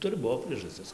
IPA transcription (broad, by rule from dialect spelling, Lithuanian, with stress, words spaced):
ˈtʊrʲɪ ˈbuɔ pʲrʲiɛʒɐˈsʲtʲɪs